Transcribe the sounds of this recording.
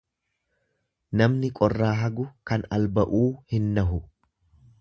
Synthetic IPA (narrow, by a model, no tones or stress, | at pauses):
nɐmnɪkʼɔrːaːɦɐɡʊkɐnɐlbɐʔuːhɪnːɐɦʊ